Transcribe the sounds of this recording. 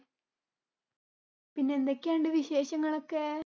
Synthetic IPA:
pinːeːnd̪ekʲːeːɳɖɨʋiɕe̞ːɕɐŋːɐɭo̞kːe

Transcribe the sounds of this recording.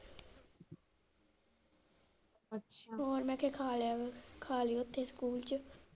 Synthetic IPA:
t͡ʃːɦoːɾmɛ̃ːkʰeːkʰaːlaːkʰaːliʊt̪ʰːeːskuːlt͡ʃə

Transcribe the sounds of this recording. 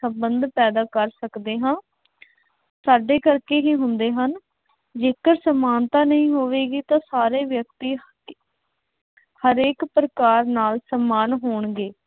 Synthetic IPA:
səmbənd̪pɛːd̪aːkəɾsəkd̪eːɦãː | saːɖeːkəɾkeːɦiːɦʊnd̪eːɦən | d͡ʒeːkəɾsəmaːnt̪ãːnəɦĩːɦoːʋeːɡiːt̪ãːsaːɾeːʋjək̚t̪iː | həɾeːkpɾəkaːɾnaːlsəmːaːnɦoːɳɡeː

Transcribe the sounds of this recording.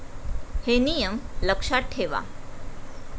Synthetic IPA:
henijəmləkʂaʈʰːeʋa̰

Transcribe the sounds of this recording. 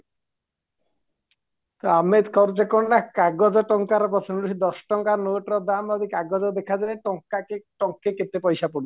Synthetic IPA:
t̪oamed̪kʰɔɾt͡ʃekɔɳɖakaɡɔd͡ʑɔʈɔŋkaɾpɔt͡ʃʰonuʃid̪ɔsʈɔŋkanoʈɾɔd̪amad̪ikaɡɔd͡ʑɔd̪ekʰad͡ʒaeʈɔŋkakeʈɔŋkːeket̪epɔjʃapoɽ

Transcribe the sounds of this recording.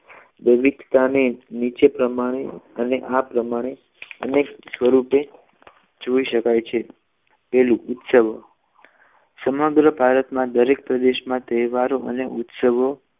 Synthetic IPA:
ʋəʋiɡt̪anenit͡ʃepɾəmaɽ̃eəneʔapɾəmaɽ̃e | əneksʋəɾupe | d͡ʒoiʃəkajt͡ʃʰe | pɛlũʔut̪səʋo | səməɡɾəbʱaɾət̪mãd̪əɾek̚pɾəd̪eʃmãt̪əʋaɾoʔəneʔut̪səʋo

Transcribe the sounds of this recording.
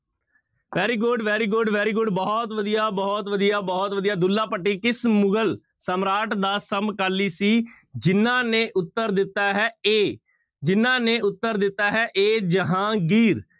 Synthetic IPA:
ʋɛːɾiːɡʊɖʋɛːɾiːɡʊɖʋɛːɾiːɡʊɖbɔːt̪ʋəd̪ijaːbɔːt̪ʋəd̪ijaːbɔːt̪ʋəd̪ijaːd̪ʊlːaːpəʈːiːkɪsmʊɡəl | səmɾaːʈd̪aːsəmkəliːsiː | d͡ʒɪnãːneːʔʊt̪ːəɾd̪ɪt̪ːaːɦɛːeː | d͡ʒɪnãːneːʊt̪ːəɾd̪ɪt̪ːaːɦɛːʔeːd͡ʒəɦãːɡiːɾ

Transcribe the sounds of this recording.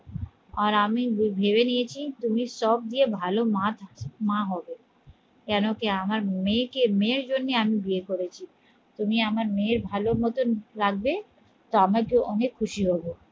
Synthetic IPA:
aɾamibbʱeβenijet͡ɕʰit̪umiʃɔb̚d̪iebʱalomat̪ʰmãɦɔbe | kɛnokeamaɾmekemẽɾd͡ʑonːeamibiekoɾet͡ɕʰi | t̪umiamaɾmeɾbʱaloɾmɔt̪onlaɡbe | t̪oamaɾkewʔɔnekʰːuʃiɦɔbo

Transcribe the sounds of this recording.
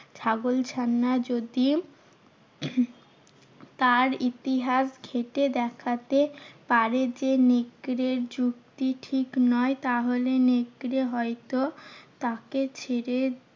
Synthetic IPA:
t͡ɕʰaɡolt͡ɕʰanːad͡ʑod̪i | t̪aɾit̪iɦasɡʱeʈed̪ɛkʰat̪epaɾed͡ʑeneɡɾeɾd͡ʑukt̪iʈʰiknɔet̪aɦoleneɡɾeɦɔet̪ot̪aket͡ɕʰeɾe

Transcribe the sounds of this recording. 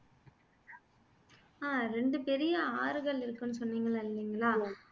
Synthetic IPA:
aːɾɛɳɖɯpɛɾɪjɐaːɾɯɣɐɭɪɾɯkːɯnːɯsɔnːiːŋɡɐɭaːɪlːiːŋɡɐɭaː

